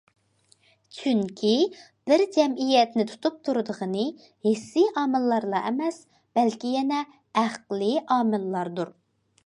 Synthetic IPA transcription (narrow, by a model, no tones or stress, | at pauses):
t͡ʃʰyŋkʲʰi | b̥ɪɾd͡ʒɛmijɛt̪nɪt̪ʰu̥t̪ʰup̚t̪ʰuɾɨd̪əʁənɨ | hesiʔɑːmɨlˠːɑɾlˠɑʔɛmɛs | b̥ɛlkʲijɛnɛ | æqlˠɨʔɑːmɨlˠːɑɾd̪uɾ